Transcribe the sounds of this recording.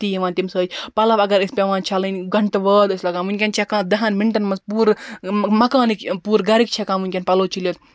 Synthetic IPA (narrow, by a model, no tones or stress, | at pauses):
t̪iːʋaːnt̪imsəːd͡ʒpɐlɐʋɐɡɐɾispʲeʋãːnt͡ʃʰɐlinʲɡɐɳʈʋəːd̪ɨslɐɡaːnmunʲkʲɐnʲt͡ʃʰekãːd̪ɐɦɐnmiɳʈɐnmɐspuːɾmɐkaːnikpuːɾɡɐɾik̚t͡ʃʰekaːnmʋunʲkʲɐnʲpɐloːt͡ʃilʲoːt̪